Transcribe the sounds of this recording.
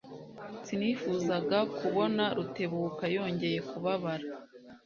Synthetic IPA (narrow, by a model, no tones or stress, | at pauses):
siniːfuzaɡakuβo̞naɾute̞βuːkajo̞ːɲɟe̞je̞kuβaβaɾa